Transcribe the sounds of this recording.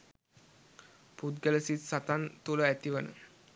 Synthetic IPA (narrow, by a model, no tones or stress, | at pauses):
pud̪ɡələsisat̪ant̪uləæt̪iʋənə̰